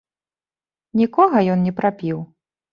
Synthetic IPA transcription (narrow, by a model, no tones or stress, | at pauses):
nʲikɔɣɐjɔnnʲɛpɾapʲiw